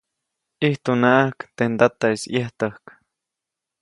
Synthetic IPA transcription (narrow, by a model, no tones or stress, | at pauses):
iht̪unaʔahkt̪end̪at̪aisjeht̪əhk